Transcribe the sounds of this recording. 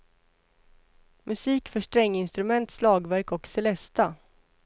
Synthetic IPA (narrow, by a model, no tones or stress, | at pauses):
mɵsiːkfœʂʈɾɛŋːɪnst̪ɾɵmɛnt̪slɑːɡvæɾkɔksɛlɛst̪a